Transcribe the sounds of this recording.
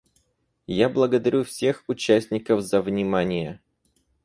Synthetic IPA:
jablˠəɡəd̪ɐɾʲufsʲe̞xʊt͡ɕæsʲtʲnʲɪkəvzəvnʲɪmanʲɪjə

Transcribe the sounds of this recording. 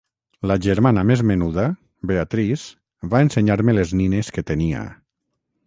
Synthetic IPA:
laʒeɾmanamezmenuða | beat̪ɾiz | βaenseɲaɾmelezninesket̪enia̰

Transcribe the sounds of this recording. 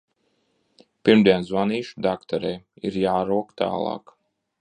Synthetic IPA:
piɾmd̪ʲiɛnzvaniːʃud̪akt̪ɔɾɛjiɾjaːɾuɔkt̪a̰ːlˠɑ̰ːk

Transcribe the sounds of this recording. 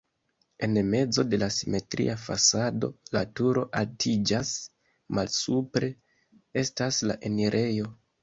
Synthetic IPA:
e̞nme̞d͡zo̞de̞lasime̞tɾḭʔafa̰sado̞latuɾo̞ʔaltʰid͡ʒas | malsupɾe̞ | e̞staslaʔe̞niɾʔe̞jo̞

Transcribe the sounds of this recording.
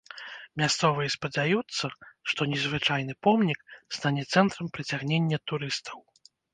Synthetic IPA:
mʲast̪sɔvɨjɛspɐd͡zʲajut̪sːɐʂt̪ɔnʲɛzvɨt͡ʂajn̪ɨpɔmnʲikst̪anʲɛt̪sɛnt̪ɾɐmpɾɨt͡sʲaɣnʲenʲːɐt̪uɾɨst̪ʰɐw

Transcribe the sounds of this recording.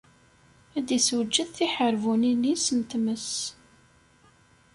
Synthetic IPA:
æd̪iswəd͡ʒːəðθiħəɾvuninːisənt̪məs

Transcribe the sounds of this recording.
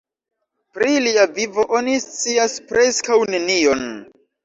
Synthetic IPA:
pɾiliavivo̞ʔonist͡siaspɾe̞skawnenio̞n

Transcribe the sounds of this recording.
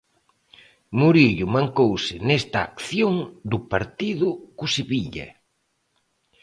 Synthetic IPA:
muɾiʎʊmaŋkowsɪnest̪ɐːkθjoŋd̪ʊpaɾt̪iðʊkʊseβiʎɐ̰

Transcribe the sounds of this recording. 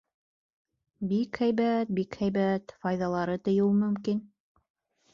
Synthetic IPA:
bikhæjβæt̪̚bikhæjβæt̪fɑjðɑlˠɑɾɤt̪ŏjɤwmɵ̆mkin

